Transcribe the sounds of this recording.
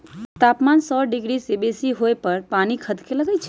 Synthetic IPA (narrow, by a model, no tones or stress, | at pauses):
t̪apmansɔɖɪɡɾisebesiɦojpəɾpanikʰəd̪keləɡəjt͡ʃʰe